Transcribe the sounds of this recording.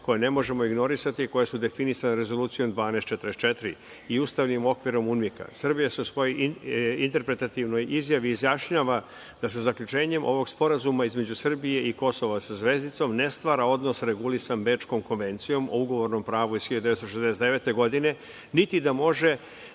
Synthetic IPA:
ko̞jene̞mo̞ʒe̞mo̞iɡno̞ɾisat̪iko̞jesud̪e̞finisaneɾe̞zo̞lˠuːt̪sijo̞md̪ʋaːnest̪t͡ʃet̪ɾest̪t͡ʃet̪ɾi | iuːst̪aʋnimo̞kʋiɾo̞munmika̰sr̩bijase̞usʋo̞jojint̪e̞ɾpɾe̞t̪at̪iʋno̞jizjaʋiːzjaʃɲaːʋa | d̪̥as̬ezakʎʲut͡ʃe̞ːɲe̞mʔo̞̰ʋo̞ɡspo̞ɾazumaizme̞d͡ʑusr̩bije̞iko̞so̞ʋasazʋe̞zit̪so̞mne̞st̪ʋaːɾao̞d̪no̞sɾe̞ɡulisambe̞ːt͡ʃko̞mko̞nʋe̞nt̪sijo̞mʔo̞̰uɡo̞ʋo̞ɾno̞mpɾaːʋuisxçiʎod̪eest̪oʃ̬ezd̪eset̪e̞ʋe̞t̪eɡo̞d̪ine̞ | nit̪id̪amo̞ʒe̞

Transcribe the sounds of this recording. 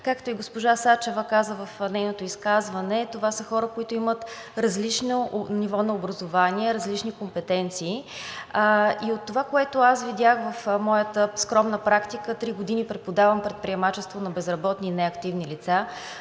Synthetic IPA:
kakt̪oiɡospoʒasat͡ʃɛvəkazəvəfnɛjnot̪oiskazvɐnɛt̪ovasəxɔɾəkoit̪ʊimət̪ɾɐzlit͡ʃnonivɔnɐobɾɐzovanʲiɛɾɐzlit͡ʃnikompɛt̪ɛnt̪siː | iot̪ːovakoɛt̪ʊasvid̪ʲaxvəfmɔjət̪əskɾɔmnəpɾakt̪ikət̪ɾiɡod̪inipɾɛt̪̚pod̪avəmpɾɛt̪̚pɾiɛmat͡ʃɛst̪vonɐbɛzɾɐbɔt̪ninɛɐkt̪ivnilit̪sa

